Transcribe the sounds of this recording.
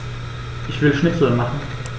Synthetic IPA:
ʔɪçv̥ɪlʃnɪsl̩maχn̩

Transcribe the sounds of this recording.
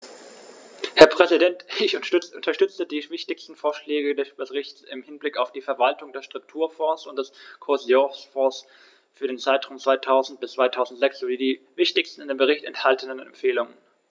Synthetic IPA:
hɛɐpʁ̥ɛzidɛntɪçʊʔʊntɐʃtʏt͡sədiːvɪçtɪçstn̩foːɐʃlɛːɡədɛsb̥əsʁɪçtsɪmhɪnblɪkaʊfd̥iːfɛɐvaltʊŋdeɐʃtʁ̥ʊk̚tʰuːɐfɔɐsʊntd̥ɛskʰɔɐzjosfɔːs | fyːɐɾeːnt͡saɪtʁ̥amt͡sv̥aɪtʰaʊzn̩t̚b̥ɪst͡sv̥aɪtʰaʊzn̩tz̥ɛksz̥oːdiːdiːvɪçtɪçstn̩ɪndeːmbəʁ̞ɪçtɛ̰nthaltənənɛ̰mpfeːlʊŋən

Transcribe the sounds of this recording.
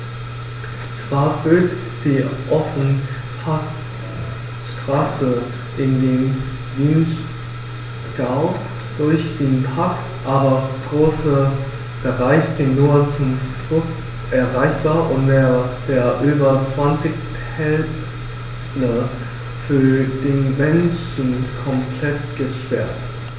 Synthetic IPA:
t͡sv̥aːɐbøːt | d̥iːʔɔfnə | pʰas | ʃtʁ̥aːsə | ʔɪndeːm | viːn | ɡ̥aʊ | d̥ʊɐçd̥eːnpʰaɐktʔaːbɐɡ̥ʁoːsə | b̥əʁaɪçz̥ɪnuɐt͡sʊmfʊs | ʔɛɐʁaɪçb̥aːɐʔʊnteːɐv̥eːɐʔyːbɐt͡sv̥ant͡sɪç | hɛl | ə | fyːɐd̥eːnmɛnʃ | n̩kʰɔmpʰl̥ɛt̚ɡ̥əʃpɛɐt

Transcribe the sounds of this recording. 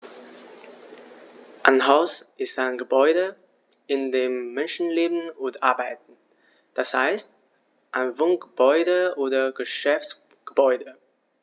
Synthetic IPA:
ʔaɪnɦaʊsʔɪstaɪnɡəbɔʏdə | ɪndeːmːɛnʃn̩leːbn̩ʊntʔaɐbaɪtn̩ | d̥asha̰ɪst̚ | ʔaɪnvʊŋɡ̥əbɔʏdəʔoːdɐɡəʃɛfts | ɡ̥əbɔʏdə

